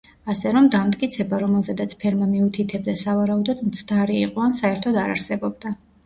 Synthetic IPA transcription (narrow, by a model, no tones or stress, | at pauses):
asɛɾɔmd̪amt̪ʼkʼit̪sʰɛbaɾɔmɛlˠzɛd̪at̪sʰpʰɛɾmamiut̪ʰit̪ʰɛb̚d̪asavaɾaud̪ɔd̪mt̪sʰd̪aɾiːqʼɔansaɛɾt̪ʰɔd̪aɾa̰ɾsɛbɔb̚d̪a